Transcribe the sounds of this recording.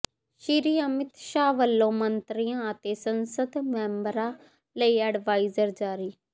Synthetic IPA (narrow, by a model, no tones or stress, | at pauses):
ʃiɾiːəmɪt̪ʃaːʋəlːõːmənt̪ɾijãːət̪eːsənsəd̪mɛ̃ːmbəɾaː | ləiːəɖʋaːiːzəɾd͡ʒaːɾiː